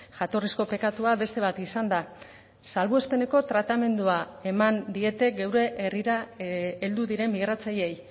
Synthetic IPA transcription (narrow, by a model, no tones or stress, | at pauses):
ʝat̪o̞risko̞pe̞kat̪uaβe̞st̪e̞β̞at̪isand̪a | salβue̞spe̞ne̞ko̞t̪ɾat̪ame̞nd̪uae̞mand̪ie̞t̪e̞ɡewɾe̞ʔeriɾaeld̪uðiɾe̞mbiɣ̞ɾat͡saʎe̞j